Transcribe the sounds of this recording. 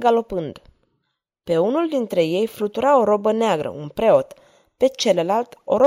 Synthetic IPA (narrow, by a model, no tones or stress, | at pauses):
ɡalo̞pɨnd̪ | pe̞unuld̪int̪ɾe̞je̞jfɾut̪uɾao̞ɾo̞bəneaɡɾə̰ʔunpɾe̞o̞t̪ | pe̞t͡ʃe̞lelalt̪o̞ɾo